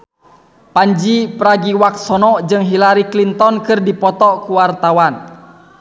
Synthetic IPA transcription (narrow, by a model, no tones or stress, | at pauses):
paɲd͡ʒipəɾaɡiwak̚sɔnɔd͡ʒɨŋɦilaɾiklint̪ɔnkɨrdipɔt̪ɔkuwart̪awan